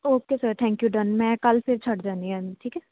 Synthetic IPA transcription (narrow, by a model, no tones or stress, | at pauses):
oːkesəɾt̪ʰɛ̃ːŋkjuɖənmɛ̃kɐlfɪɾt͡ʃʰɐʈd͡ʒãːnd̪iamiʈʰiːkɛː